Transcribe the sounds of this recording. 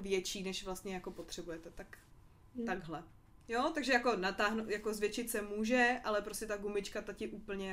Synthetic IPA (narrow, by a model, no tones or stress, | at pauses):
vjɛt͡ʃiːnɛʃvlast̪ɲɛjako̞po̞t̪r̥ɛbujɛt̪ɛt̪ak | t̪aɡɦlɛ | jot̪aɡʒɛjako̞nat̪aːɦnot̪jako̞zvjɛt͡ʃɪt̪sɛmuːʒɛʔalɛpɾoscɛt̪aɡumɪt͡ʃkat̪acɪʔuːpl̩ɲɛ